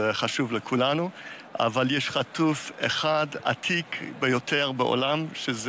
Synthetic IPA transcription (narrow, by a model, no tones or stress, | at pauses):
χaʃuvlekʰulanu | a̰valjɛʃχatufeχada̰t̪ʰikʰbejotʰeʁbeʔo̰lamʃez